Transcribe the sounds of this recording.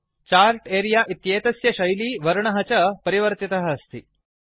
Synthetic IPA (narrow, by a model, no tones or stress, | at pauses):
t͡ɕaɾʈeːɾijaʔit̪jeːt̪ɐsjɐɕɐjliːʋɐɾɳɐɦɐt͡ɕɐpəɾiʋəɾt̪it̪ɐɦɐːst̪iː